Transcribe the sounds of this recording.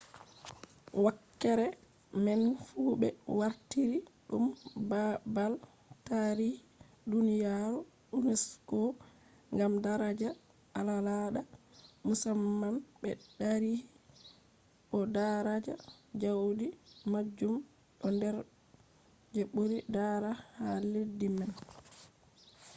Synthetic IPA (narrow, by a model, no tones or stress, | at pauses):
wakːɛɾɛ | mɛnfuːbɛ̰waɾtiɾiɗumbabal | taɾihi | dunijaɾu | ɗunɛskɔ | ŋɡamdaɾad͡ʒa | alalaɗamusamːanbɛɗaɾihi | ɓɔdaɾad͡ʒad͡ʒawdimad͡ʒːum | ɗɔndɛɾ | d͡ʒɛɓoɾidaɾahaledːiman